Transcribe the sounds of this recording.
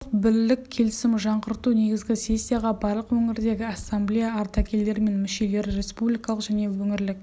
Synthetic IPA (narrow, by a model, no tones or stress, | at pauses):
qbɪɾlːɪkʲʰe̞lɪsɪmʒɑɴqəɾt̪une̞ɡʲɪzɡʲɪsʲe̞sʲːijaʁɑbɑɾlˠəqwɵŋɪɾd̪e̞ɡʲɪɑsːamblijaːɾt̪ɑkʲʰe̞lːe̞ɾme̞nmɪʃe̞le̞ɾre̞spublijkɑlˠəqʒ̥æne̞wɵŋɪɾlɪk̚